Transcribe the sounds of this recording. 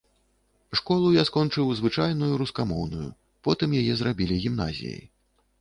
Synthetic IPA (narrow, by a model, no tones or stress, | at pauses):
ʂkɔlˠujaskɔnt͡ʂɨwzvɨt͡ʂajnujuɾuskamɔwnujṵ | pɔt̪ɨmjajɛzɾabʲilʲiɣʲimna̰zʲḭjə̰j